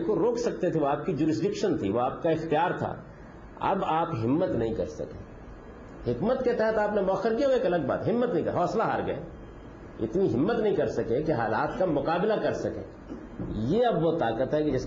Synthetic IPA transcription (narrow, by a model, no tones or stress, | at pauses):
koɾoːkʰsɐk̚t̪et̪ʰeʋoaːp̚kid͡ʒuːɾɪs̬ɖɪkʃənt̪ʰḭʋoaːpkaɪxt̪ijaːɾt̪ʰa̰ | ɐ̰baːpɦɪmːət̪nɐɦĩkɐ̰ɾsɐ̰kḛ̃ː | hɪkmət̪ket̪ɛɦɛt̪aːpnemɔːxəɾkiaʋoeːkɐləɡba̰ːt̪ɦɪmːət̪nɐɦĩkɐɦɔːslaɦaːɾɡɐ̰ḛ | ɪ̰t̪niɦɪmːət̪nɐɦĩkɐɾsɐkẽkeɦaːla̰ːt̪kamʊqaːblakɐɾsɐkḛ̃ː | jeɐbʋot̪aːkət̪ɦɛkid͡ʒɪs